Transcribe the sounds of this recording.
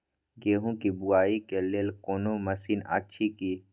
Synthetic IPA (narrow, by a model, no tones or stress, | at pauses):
ɡeːɦõkibʊaːikeleːlkoːnomɐsiːna̰tːʃʰikiː